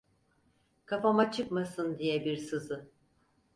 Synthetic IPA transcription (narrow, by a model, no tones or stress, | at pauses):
kʰafamat͡ʃʰɯkmasɯnd̪ijɛbiɾsɯzɯ